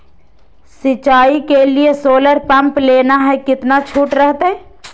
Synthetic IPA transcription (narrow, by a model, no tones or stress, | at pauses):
sɪt͡ʃaːikeliesoːləɾpɐ̃mpleːnaɦɛkɪt̪nat͡ʃʰuːʈɾəɦt̪ɛ